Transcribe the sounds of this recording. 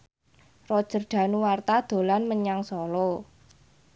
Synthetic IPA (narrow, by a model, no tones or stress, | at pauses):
rɔd̥ʒ̥ə̤rdɖ̪̥ä̤nuwart̪ad̪̥o̤lanməɲaŋsɔlɔ